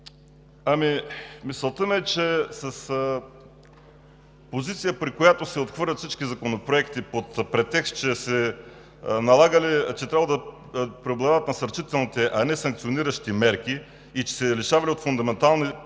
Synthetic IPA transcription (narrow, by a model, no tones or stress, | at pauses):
amimisəlˠt̪əmɛt͡ʃɛsɐs | pozit̪sijəpɾikojat̪osɛot̪xvɤɾlʲɐt̪fsit͡ʃkizɐkonopɾoɛkt̪ipot̪pɾɛt̪ːɛkst̪̚t͡ʃɛsɛ | nɐlˠaɡəlit͡ʃɛt̪ɾʲabvəd̪ɐ | pɾɛoblˠad̪aɐt̪nɐsɐɾt͡ʃit̪ɛlˠnit̪ɛʔɐnɛsɐŋkt̪sioniɾəʃt̪imɛɾkiː | t͡ʃɛ̥sɛliʃavɐliot̪fʊnd̪ɐmɛnt̪alˠni